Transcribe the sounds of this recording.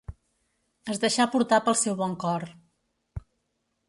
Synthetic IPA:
əzd̪əʃapuɾt̪apəlˠsɛwβɔŋkɔr

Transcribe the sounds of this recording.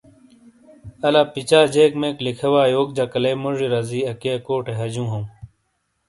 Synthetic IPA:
ɐlaːpit͡ɕaːd͡ʑeːkmẽklikʰɐwaːjoːk̚d͡ʑakɐleːmoʐiɾɐziːɐkeɐkoːʈeɦɐd͡ʑũːɦõw̃

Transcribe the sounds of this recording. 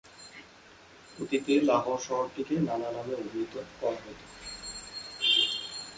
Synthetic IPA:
ot̪it̪elaɦoʃɔɦoɾt̪ʰikenanalabeobʱit̪okɔɾaɦɔjt̪o̥

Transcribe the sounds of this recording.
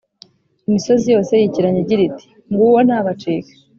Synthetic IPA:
imiso̞zijo̞ːse̞jiciɾaɲeɟiɾiti̥ | ŋɡuwon̥haːβat͡ʃiːkḁ

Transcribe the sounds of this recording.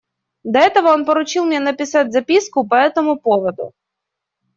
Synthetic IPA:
d̪ɐɛt̪əvəo̞npəɾʊt͡ɕilˠmʲnʲenəpʲɪsatʲzɐpʲiskʊpɐɛt̪əmʊpovəd̪ʊ̰

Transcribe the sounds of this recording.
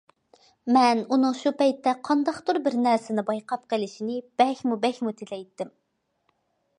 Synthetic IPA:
mɛnunɨŋʃupɛjt̪ːɛqʰɑnd̪ɑχt̪uɾbɪɾnɛɾsɪnɪbɑjqʰɑp̚qəlɪʃinɪb̥ɛxʲmubɛxʲmut̪ʰɪlɛjt̪ːɪm

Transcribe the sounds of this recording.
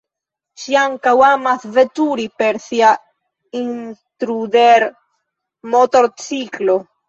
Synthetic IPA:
ʃiaŋkawamasvet̪uɾipe̞ɾsia | int̪ɾud̪eɾ | mot̪o̞ɾt͡siklo̞

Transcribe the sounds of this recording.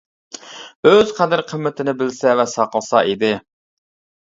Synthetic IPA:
øz̥qʰæd̪ɪɾqʰəmːɪt̪ʰɪnɪbɪlsɛvɛsɑqəlˠsɑʔid̪ɪ

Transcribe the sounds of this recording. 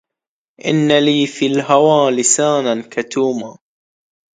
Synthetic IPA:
ʔɪ̰nːaliːfilɦawaːlɪsaːnankat̪uːmaː

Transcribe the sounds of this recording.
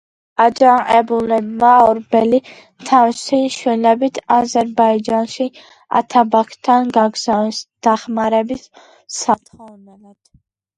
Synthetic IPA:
ad͡ʒaŋɛbulɛbmaɔɾbɛli | t̪ʰawsiʃwɛnɛbit̪ʰazɛɾbaid͡ʒanʃi | a̰t̪ʰabakʰt̪ʰːanɡaɡzasd̪̥aχmaɾɛbisː | at̪ʰɔnɛlad̪̥

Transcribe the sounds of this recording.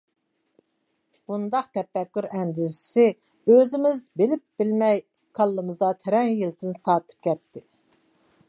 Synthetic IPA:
b̥und̪ɑqt̪ʰɛfɛkʲːyɾɛnd̪ɪsɪ̥sɪ | øzɪmɪzbɪlɪp̚b̥ɪlmɛj | kʰɑlˠːɨmɨzd̪ɑt̪ʰeɾɛŋjilt̪ʰɪnt̪ʰɑɾt̪ʰɯ̥p̚kʲʰɛt̪ʰːɪ

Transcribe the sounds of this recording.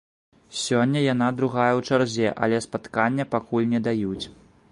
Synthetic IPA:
sʲɔnʲːɐjanad̪ɾuɣajɐwt͡ʂarzʲɛʔa̰lʲɛspat̪kanʲːɐpakulʲnʲɛd̪ajut͡sʲ

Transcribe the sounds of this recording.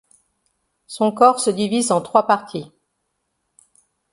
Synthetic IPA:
sɔ̃kɔʁsəd̪ivizɑ̃t̪χwapaʁt̪ʰi

